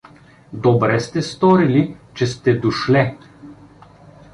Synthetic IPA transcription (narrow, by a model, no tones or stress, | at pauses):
d̪obɾɛst̪ɛst̪ɔɾilit͡ʃɛst̪ɛd̪uʃlɛ